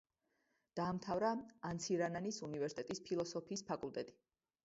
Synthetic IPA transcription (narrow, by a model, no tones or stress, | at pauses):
d̪̥aːmt̪ʰavɾaant̪sʰiɾananisunivɛɾsit̪ʼɛt̪ʼispʰilˠɔsɔpʰiːspʰakʼulˠt̪ʼɛt̪ʼi̥